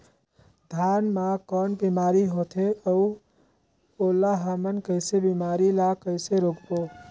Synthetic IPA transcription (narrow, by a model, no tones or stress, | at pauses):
d̪ʱjaːnmakɔnbimaːɾiɦoːt̪ʰeəu | oːlaɦəmənkəɪsebimaːɾilakəɪseɾoːkpoː